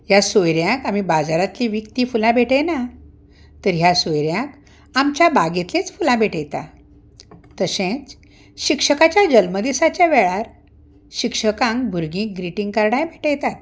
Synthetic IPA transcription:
jasojɾjãkamibad͡zaɾat̪liʋikt̪iːfulãbʱeʈena | t̪əɾɦjasojɾjãk | amt͡ɕjabaɡet̪lẽt͡sfulãbʱeʈʰjt̪a̰ | t̪əsẽt͡s | ɕikʂəkat͡ɕjad͡ʑəlməd̪isat͡ɕjaʋɛɭaɾ | ɕikʂəkãŋkbʱuɾɡĩːk̚ɡɾiʈiŋɡkaɾɽajbʱeʈjt̪at̪̚

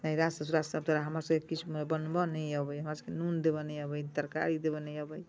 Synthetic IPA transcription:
naiɾast̪əs̬uɾast̪ab̚t̪ɔɾaɦəmɾasə̃kekit͡ʃʰmebənbɔnəjabəjɦəmɾasə̃ŋkenund̪ebɔnəjabəjt̪əɾka̰ɾid̪ebɔnəjabəj

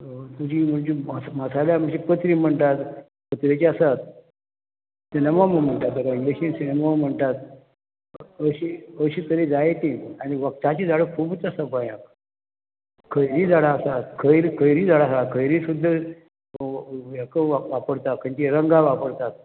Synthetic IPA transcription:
t̪ud͡ʑim̤əɳd͡ʑemasmasaljam̤əɳd͡ʑepət̪ɾiːm̤əɳʈ̪at̪ | pət̪ɾet͡ɕiasat̪̚ | sinemaməɡm̤əɳt̪at̪ːəkaind̪əɕinsinemam̤əɳt̪at̪ | əɕiəɕiːt̪əɾed͡zajet̪ĩaniʋək̚t̪at͡ɕid͡zaɽəkʰubət͡sasapajã | kʰəjɾiːd͡zaɽaːsat̪kʰəjɾikʰəjɾiːd͡zaɽasat̪kʰəjɾiːsud̪ʱːəɾ | ekəʋapəɾt̪at̪̚kʰəɲt͡ɕiɾəŋɡaʋapəɾt̪at̪̚

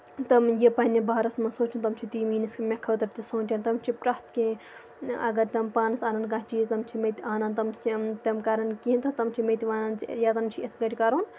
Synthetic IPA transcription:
t̪ɐmjepɐnʲibaːɾɐsmɐsoːt͡ʃɐnt̪ɐmt͡ʃʰit̪iːmiːnɐskmʲekʰɐwt̪ɐʈt̪isoːnt̪ʲɐnt̪ɐmt͡ʃʰipɾɐst̪ke | ɐ̰ɡɐɾt̪ɐmpaːnɐsaːnɐnkɐt͡ʃiːzt̪ɐmt͡ʃʰimet̪aːnɐnt̪ɐmt͡ʃʰit̪ɐmkɐɾɐnkint̪ɐt̪ɐmt͡ʃʰimet̪iʋaːnɐnt͡ʃjat̪ɐnmt͡ʃʰiet̪ʰɡɐʈʲkɐɾoːn

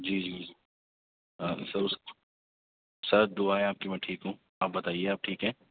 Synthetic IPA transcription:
d͡ʒiːd͡ʒiːd͡ʒiː | sɐɾʊs | sɐɾd̪ʊaːɛ̃aːp̚kimɛ̃ʈʰiːkɦũː | aːp̚bɐt̪aːieaːp̚ʈʰiːkɦɛ̃ː

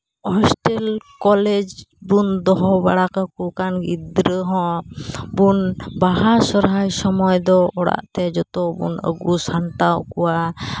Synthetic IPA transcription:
ɔsʈɛlkɔlɛd͡ʒbund̪ɔɦɔba̰ɽakakukanɡid̪ɾəɦɔ̃bunbaɦasɔɾɦajsɔmɔjd̪ɔɔɽa̰ʔt̪ɛd͡ʒɔt̪ɔbṵnə̰ɡusaɳʈawkuwa

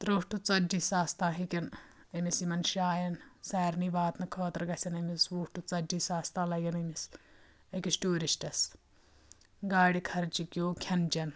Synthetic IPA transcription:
t̪ɾoːʂʈut͡sɐd͡ʒisaːst̪ãːɦikʲɐn | ɐmisimɐnʃaːjɐnsɛːɾniʋaːt̪nɐkʰɔːt̪ɾɡɐsʲɐnɐmisʋuːʂʈut͡sɐd͡ʒisaːst̪ãːlɐɡɐnɐmis | ɐkʲisʈuːɾisʈɐs | ɡaːɽikʰɐɾt͡ʃikʲjoːkʰɐnd͡ʒɐn

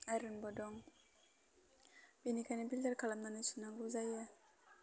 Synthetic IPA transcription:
aɾinbodoŋ | binikanibildaɾkalamnanisunaŋɡuzaja

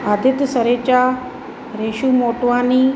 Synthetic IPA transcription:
ad̪ʱɪt̪səɾet͡ɕa | ɾeʃumoːʈʋaːniː

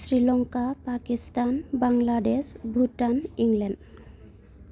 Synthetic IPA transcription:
sɹilɔŋkapakisʈanbaŋlaɖesbʱuʈaniŋlɛɳɖ

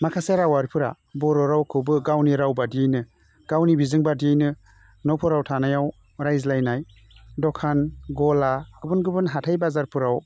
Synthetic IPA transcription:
makʰaseɾawaɾipʰɯɾa̰ | bɔɾɔɾawkʰɯbɯɡawniɾawbadiajnɯ | ɡ̥awnibizɯŋbadiajnɯ | nɔpʰɔɾawtʰanajaw | ɾajzlajnaj | dɔkʰanɡɔlaɡɯbɯnɡɯbɯnɦatʰajbazaɾpʰuɾaw

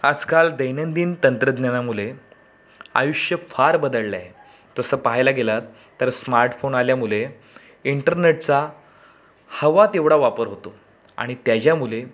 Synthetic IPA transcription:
ad͡zkald̪əjnənd̪iːnt̪ənt̪ɾəd̪njanamule | a̰juʂjəfaɾbəd̪əɭːja̰ɦe | t̪əsəːpaɦajlaɡelat̪ːəɾsmaɾʈfonaljamule | iɳʈəɾneʈ̚t͡sa | həʋat̪eʋɽaʋapəɾɦot̪o | a̰ɽ̃it̪jad͡ʑjamule

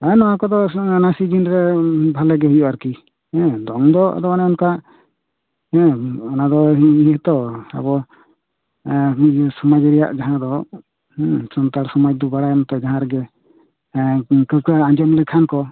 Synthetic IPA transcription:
anɔwakɔd̪ɔnasid͡ʒinɾɛbʱalɛɡɛɦujɔʔaɾki | hɛ̃d̪ɔŋd̪ɔʔa̰d̪ɔanɛɔnkaʔ | ɛ̃ɔnad̪ɔɦiiɦət̪ɔa̰bɔ | sɔmad͡ʒɾɛja̰ʔd͡ʒaɦãd̪ɔ | sɔnt̪aɾsɔmad͡ʒd̪ɔbaɽajɔnt̪ɛd͡ʒaɦãɾɛɡɛ | kəp̚kaaɲd͡ʒɔmlɛkʰankɔ

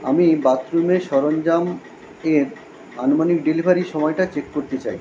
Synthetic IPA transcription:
a̰mibat̪ɾumeʃɔɾond͡ʑam | eɾ | anomanik̚ɖilibʱaɾiʃɔmɔeʈat͡ɕekkoɾt̪et͡ɕaj

